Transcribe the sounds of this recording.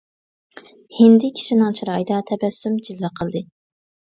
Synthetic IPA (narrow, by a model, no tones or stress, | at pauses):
hɪnd̪ɪkʲʰi̥ʃinɪŋt͡ʃʰiɾɑjd̪ɑt̪ʰɛbɛsːymd͡ʒilːɑqʰəlˠd̪ɨ